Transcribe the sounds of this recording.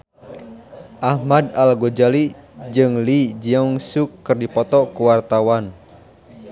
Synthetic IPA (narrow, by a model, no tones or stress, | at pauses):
ʔahmadalɡod͡ʒalid͡ʒɨŋlid͡ʒiɔŋsukːɨrdipɔt̪ɔkuwart̪awan